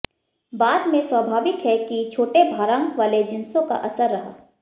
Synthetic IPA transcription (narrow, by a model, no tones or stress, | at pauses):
baːt̪mẽswəbʱaːʋɪkɦɛkit͡ʃʰoːʈebʱaːɾãːŋkʋaːled͡ʒɪnsõka̰ʔɐsəɾːɐɦa̰ː